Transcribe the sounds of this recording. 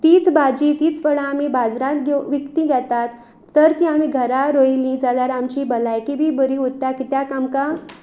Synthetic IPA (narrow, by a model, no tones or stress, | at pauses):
t̪iːt͡sbad͡ʑit̪iːt͡sfəɭãːmibad͡zɾãt̪ɡeʋikt̪ĩɡʱat̪at̪ː | əɾt̪ĩamiɡʱəɾaɾojlĩd͡zaljaɾamt͡ɕibəlajkibʱibəɾiut̪ːakit̪jakamka